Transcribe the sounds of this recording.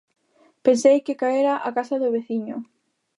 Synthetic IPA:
pensejkɪkaeɾaʔakasaðʊβeθiɲʊ

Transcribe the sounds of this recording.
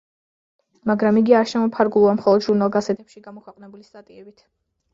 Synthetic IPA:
maɡɾamiɡiaɾʃɛmɔpʰaɾɡulˠuamχɔlˠɔd̪ʒuɾnalˠɡasɛt̪ʰɛpʃiɡamɔkʰwɛqʼnɛbulist̪ʼat̪ʼiɛbit̪ʰ

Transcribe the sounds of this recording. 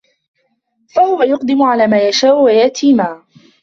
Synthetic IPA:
fahʊwajʊqd̪ɪmʊʕalaːmaːjaʃaːʔʊwajaʔt̪ʰiːmaː

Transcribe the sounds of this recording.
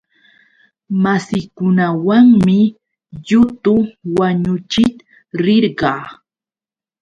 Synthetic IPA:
masɪkʊnawaŋmɪ | ʎʊt̪ʊwaɲʊt͡ʃɪt̪ | ɾɪɾɢɑː

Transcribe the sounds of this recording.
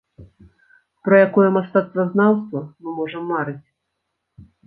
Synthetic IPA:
pɾɐjakɔjɛmast̪at̪st̪vɐznawst̪vɐmɨmɔʐɐmːaɾɨt͡sʲ

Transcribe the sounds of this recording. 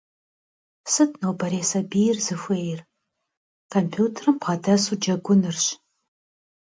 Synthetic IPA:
sɨtʰnowbɐɾeːsɐbijɪrzɨfʷeːjɪr | kʰompʰuːtʰɐrɨmpʁɐdɐsud͡ʒɐɡʷʊnɨrɕ

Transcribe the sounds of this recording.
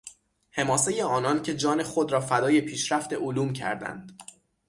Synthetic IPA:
he̞mɒːse̞je̞ɒːnɒncʰe̞d͡ʒɒːne̞xod̪ɾɒːfæd̪ɒːje̞pʰiːʃɾæft̪e̞ʔoluːmcʰæ̰ɾd̪æ̰nd̪̥

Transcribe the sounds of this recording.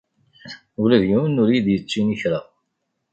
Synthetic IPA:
ulæðjuənʊɾjid̪jət͡sːiniçɾə

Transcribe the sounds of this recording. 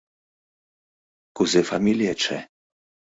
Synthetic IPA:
kuzɛfamiljɛt͡ʃɛ̰

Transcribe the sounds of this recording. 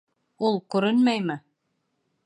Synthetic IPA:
ulˠkʉɾɘnmæjmɘ

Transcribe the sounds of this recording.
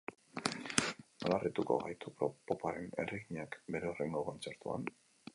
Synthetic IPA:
nolarit̪uko̞̰ɣajt̪upɾopo̞paɾe̞nḛriɣiɲakbe̞ɾe̞ore̞ŋɡo̞ko̞nt͡se̞ɾt̪ua̰n

